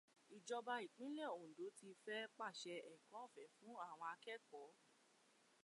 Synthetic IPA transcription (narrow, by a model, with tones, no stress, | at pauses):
i˨d͡ʒɔ˧ba˧i˨k͡pĩ˦le˦˨o˨do˨˦ti˧fɛ˦k͡pa˦˨ʃɛ˧ɛ˨kɔ̃˨˦˨fɛ˨˦fũ˨˦a˦˨w̃ɔ̃˧a˧kɛ˦kɔ˨˦